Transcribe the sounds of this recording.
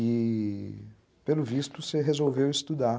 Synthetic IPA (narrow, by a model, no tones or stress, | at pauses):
i | pelʊvist̪useɦezowvewist̪ud̪a